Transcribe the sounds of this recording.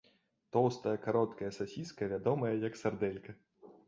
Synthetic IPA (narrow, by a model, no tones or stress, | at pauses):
t̪ɔwst̪ɐjɐkaɾɔt̪kɐjɐsasʲiskɐvʲad̪ɔmɐjɐjɐksard̪ɛlʲkɐ